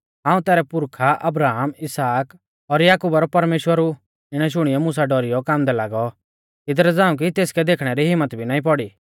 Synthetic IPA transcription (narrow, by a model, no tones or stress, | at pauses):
ãːũt̪ɛːɾɛpʊɾkʰaʔɐbɾaːɦmɪsaːk | ɔɾjaːkuːbaɾɔpɐɾmeːʃwəɾu | ɪɽ̃ɛʃ̬ʊɽ̃ɪjɔmʊs̬aɖɔɾijɔkaːmd̪ɛlaːɡɔ | ɪd̪ɾɛd͡zãːũk̬it̪eːskɛd̪eːkʰɽ̃ɛɾiɦɪmːət̪bʱinaːĩpɔɽiː